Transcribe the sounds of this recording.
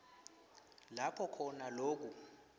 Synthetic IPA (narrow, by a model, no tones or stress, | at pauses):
lapʰɔkʰɔnaloːk̬u